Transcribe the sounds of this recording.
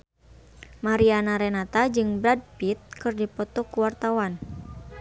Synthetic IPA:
maɾianaɾɛnat̪ad͡ʒɨŋbɾad̚pit̪̚kɨrdipɔt̪ɔkuwart̪awan

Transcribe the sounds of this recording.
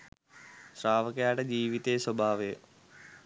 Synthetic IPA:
sɾaːʋɐkɐjaːʈed͡ʑiːʋit̪eːswɐbʱaːʋe

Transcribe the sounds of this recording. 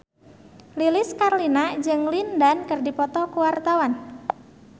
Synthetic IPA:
lilɪskarlinad͡ʒɨŋlindankərdipɔt̪ɔkuwart̪awan

